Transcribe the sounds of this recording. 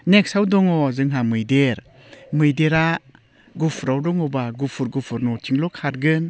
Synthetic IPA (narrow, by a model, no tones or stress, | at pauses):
nek̚sawdɔŋɔzɯŋɦamɯjdeɾ | mɯjdeɾa | ɡupʰɾawdɔŋɔbaɡupʰuɾɡupʰɯɾnɔtʰiŋlɔkʰaɾɡɯn